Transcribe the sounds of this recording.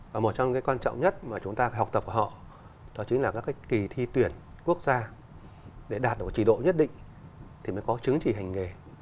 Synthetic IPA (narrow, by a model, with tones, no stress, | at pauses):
vaː˨˩mo˨˩t̚t͡ɕɔ˧kaː˨˦jkwaː˧nt͡ɕɔ̰˧˨ŋ͡mɲə˦˥t̚maː˨˩t͡ɕʊ˨˦ŋ͡mt̪aː˧faː˧˩jha˨˩wk͡p̚t̪ə˨˩ku˧˩hɔ̰˧˨ | ɗɔ˨˦t͡ɕi̟˨˦laː˨˩kaː˦˥kːa˨˦jkki˨˩t̪ʰi˧t̪wi˧˩ənku˦˥ək̚zaː˧ | ɗe˧˩ɗaː˨˩t̚ɗɨ˨˩t͡ɕi˧˩˨ɗo̰˧˨ɲə˦˥t̚ɗḭ̈˧˨ŋ̟ | t̪ʰi˨˩məː˨˦jkɔ˨˦t͡ɕɨ˨˦ŋt͡ɕi˧˩ha˨˩jŋ̟ŋe˨˩